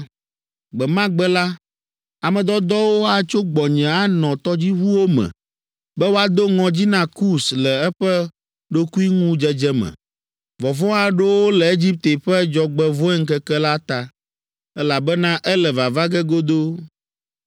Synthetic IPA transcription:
ɡ͡bɛ˨mã˦ɡ͡bɛ˦la˦ | a˨mɛ̃˨d̪ɔ˦d̪ɔ˦wo˦a˨t͡ʃo˦ɡ͡bɔ˨ɲɛ̃˨a˦nɔ̃˨t̪ɔ˦d͡ʑi˦ɦu˦wo˦mɛ̰̃˨ | bɛ˦wo˦a˨d̪o˦ŋɔ̃˨d͡ʑi˦nã˦ku˦slɛ˨ɛ˦ɸɛ˦ | ɖo˦ku˦i˦ŋũ˦d͡ʒɛ˦d͡ʒɛ˦mɛ̰̃˨ | vɔ˨vɔ̃˦a˨ɖe˦wo˦lɛ˨e˦d͡ʑi˦p̚t̪e˨ɸɛ˦d͡ʒɔ˨ɡ͡bɛ˦vɔ˦ɛ˦ŋ̩˦kɛ˦kɛ˦la˦t̪a˨ | ɛ˦la˨bɛ˦nã˦ʔɛ˦lɛ˨va˨va˦ɡɛ˦ɡo˦d̪o˦

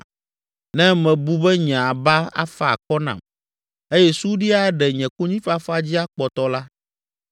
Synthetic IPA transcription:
nɛ̃˦mɛ̃˨bu˦bɛ˦ɲɛ̃˨a˨ba˦a̰˦fa˨kɔ˦nã̰˨m | e˦jɛ˦su˦ɖi˦a˦ɖɛ˨ɲɛ̃˨ko˦ɲĩ˦fa˦fa˦d͡ʑi˦a˦k͡pɔ˨t̪ɔ˦la˦

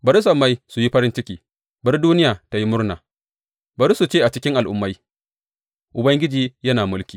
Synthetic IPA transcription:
bɐ˨ɾi˦s̬ɐ˨mːa˦jsu˨ji˦ɸɐ˦ɾɪ˦nt͡ʃɪ˦kʲiː˨ | bɐ˦ɾduː˦nɪ˦jaː˨ta˨ji˦mʊ˦rna̰ː˨ | bɐ˨ɾi˦su˨t͡ʃeː˦ʔa˨t͡ʃɪ˦kʲɪ˦ŋʔa˨lʔʊ˨mːa˦j | ʔʊ˨bɐ˦ŋɡʲɪ˦d͡ʒiː˨jɐ˦naː˨mʊ˦lkʲiː˨

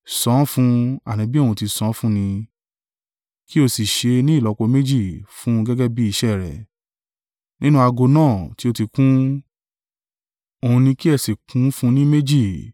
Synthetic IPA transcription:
sɔ̃˨˦fũ˦a˦˨nĩ˨˦bi˦o˦˨hũ˧ti˧sɔ̃˨˦fũ˦nĩ˧ | ki˦o˦˨si˨ʃe˧nĩ˦i˦˨lɔ˨˧˦ko˧me˦d͡ʒi˦˨fũ˦˧ɡɛ˦ɡɛ˦bi˦i˧ʃɛ˦˨ɾɛ̰˨ | nĩ˦nũ˦a˧ɡo˧nãː˦˨ti˧˦o˧ti˧kũ˦ | o˧˨ũ˧nĩ˧ki˦ɛ˦˨si˨kũ˨˦fũ˦nĩ˦me˦d͡ʒi˦˨

